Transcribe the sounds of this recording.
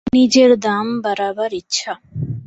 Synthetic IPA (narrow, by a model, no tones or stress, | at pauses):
nid͡ʒeɾd̪ambəɾaːbəɾitːʃʰa